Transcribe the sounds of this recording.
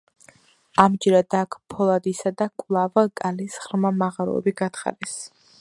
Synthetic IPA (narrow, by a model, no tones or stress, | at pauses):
amd͡ʒɛɾad̪akʰpʰɔlˠad̪isad̪akʼlˠavkʼalisχɾmamaʁaɾɔ̰ɛ̰biɡat̪χa̰ɾɛs